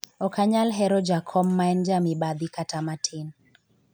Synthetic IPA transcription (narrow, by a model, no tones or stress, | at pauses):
ɔkaɲalɦɛɾɔd͡ʒakʰɔmːaɛnd͡ʒamibad̪ikatʰamatʰɪn